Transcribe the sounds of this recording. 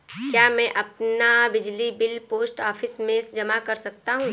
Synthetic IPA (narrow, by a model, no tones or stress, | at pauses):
kjaːmɛ̃ʔɐpnabɪd͡ʒlibɪlpoːsʈɔːfʰɪsmẽːsd͡ʒɐmakɐɾsɐk̚t̪aɦũː